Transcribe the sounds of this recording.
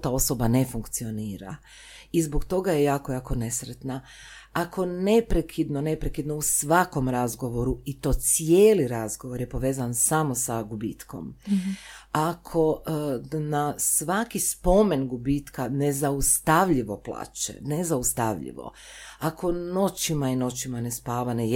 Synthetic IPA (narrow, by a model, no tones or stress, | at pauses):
t̪ao̞so̞bane̞fuŋkt̪sio̞niːɾa̰ | izbokt̪o̞ɡaje̞jaːkojaːkone̞sɾet̪na | akʰo̞ne̞pɾekʰid̪nonepɾekid̪nousʋako̞mɾazɡo̞ʋo̞ɾuit̪o̞ːt̪sijeːliɾazɡo̞ʋo̞ɾje̞po̞ʋe̞ːzansamo̞saɡubḭːt̪ko̞̰m | akʰo̞ | nasʋakispo̞me̞nɡubit̪kane̞zaust̪aʋʎiʋo̞plˠa̰ːt͡ʃḛnezaust̪aʋʎḭʋo̰ | akʰo̞no̞t͡ɕimaino̞t͡ɕimane̞spaːʋane